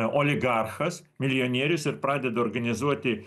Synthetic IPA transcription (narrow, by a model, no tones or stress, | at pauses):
oːlʲɪɡɑɾxɐs | mʲɪlʲɪonʲiɛɾʲʊsɪɾpɾɑːd̪ʲɛd̪ɐɔːɾɡɐnʲɪzuɔt̪ʲɪ